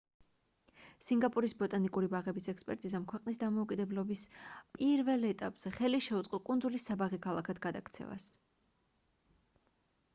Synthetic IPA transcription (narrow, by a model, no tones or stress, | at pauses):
siŋɡapʼuɾisbɔt̪ʼanikʼuɾibaʁɛbisɛkspʼɛ̰ɾt̪ʼizamkʰwɛqʼnisd̪amɔukʼid̪ɛblɔbispʼiɾvɛlˠɛt̪ʼapʼz̥ɛχɛliʃɛut̪sqʼɔkʼunzulisːabaʁikʰalˠakʰad̪ɡad̪akʰt̪sʰɛ̰va̰s